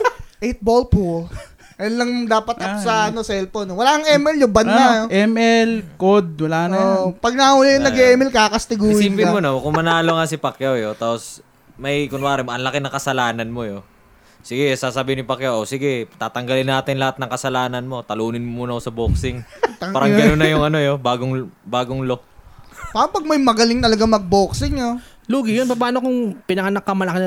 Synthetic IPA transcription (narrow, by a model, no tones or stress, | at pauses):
ʔɛjt̪̚bolpo | ɐjɐnlɐŋd̪aːpɐt̪ɐkosɐɐnosɛlponowɐlaːkɐŋʔɛmʔɛljʊŋbɐnaoʔɛmʔɛlkod̪̚wɐlaːʔɐnopɐɡ̚nɐhʊlɪjɐnːɐɡɛʔɛmɛlkakɐst̪ɪɡuːɾimpɪmonokʊŋmɐnaːloŋasɪpɐkjawjot̪aːpos | mɐjkʊnwaːɾɛmoʔɐnlɐkɪnɐŋkɐsɐlaːnɐnmo̞jo | sɪɡɛsaːsabihɪnɪpɐkjawʔosɪɡɛt̪aːt̪ɐŋɡɐlɪnːaːt̪ɪnlɐhat̪̚nɐŋkɐsɐlaːnɐnmo̞t̪ɐluːnɪnmmuːnɐkosɐboːksɪŋp̪ɐaːɾɐŋɡɐnonːɐjʊŋɐnojobaːɡoŋbaːɡoŋlokpaːɾɐŋpɐɡ̚mɐjmɐɡɐlɪŋt̪ɐlɐɡamɐɡ̚boːksɪŋoluːɡɪjonp̬ɐp̬aːnokʊŋpɪnɐŋɐnakːɐmɐlɐkɪn